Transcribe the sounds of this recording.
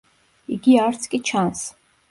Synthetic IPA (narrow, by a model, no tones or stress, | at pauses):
iɡiaɾt̪sʰkʼit͡ʃʰans